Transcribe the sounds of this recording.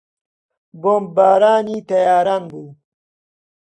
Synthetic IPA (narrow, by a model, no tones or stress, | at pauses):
bombaːɾaːniːt̪ɐjaːɾanbuː